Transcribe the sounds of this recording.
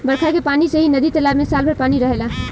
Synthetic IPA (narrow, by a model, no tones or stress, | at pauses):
bəɽkʰakepaːnisəɦinəd̪it̪əlamẽsalbʱəɾpaːniɾəɦela